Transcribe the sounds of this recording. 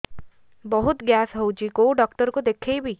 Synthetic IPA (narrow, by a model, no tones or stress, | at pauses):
bɔɦut̪ɡjasɦowt͡ʃʰikowɖɔk̚ʈɔɾɔkud̪ekʰejbi